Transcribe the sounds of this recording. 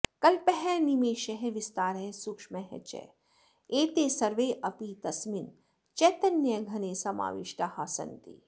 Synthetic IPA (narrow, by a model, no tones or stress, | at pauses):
kɐlpɛɦɛnimeːʃɐɦɛʋɪst̪aːɾeɦesʊkʂmɛɦɛ̰t͡ʃɛ̰ | eːt̪eːsɐɾʋeʔɐpit̪ɐsmin | t͡ʃɛːt̪ɐnjɐɡʱɐnesɐma̰ːʋḭʃʈahaːsɐ̰nt̪ḭː